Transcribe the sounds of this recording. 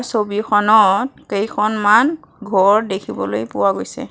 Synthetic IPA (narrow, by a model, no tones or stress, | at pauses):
sobixʰɔnɔtkejkʰɔnman | ɡʱɔɹdekʰibɔlojpʊwaɡojsɛ̰